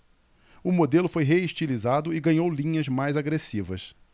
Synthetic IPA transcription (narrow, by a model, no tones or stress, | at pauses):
ʊmod̪elʊfojɦeiʃt͡ʃilizad̪ʊɪɡɐ̃ɲowlĩɲɐzmajzaɡɾesivɐ̰s